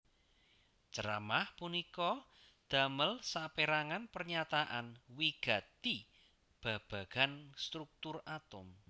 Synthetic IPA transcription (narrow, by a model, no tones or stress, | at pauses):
t͡ʃəɾa̰mahpunikɔ | d̪̥a̤məlsapeɾaŋanpərɲat̪aʔanwiɡ̥ä̤t̪i | b̥a̤b̥a̤ɡ̥a̤nst̪ɾuk̚t̪ʊrat̪ʊm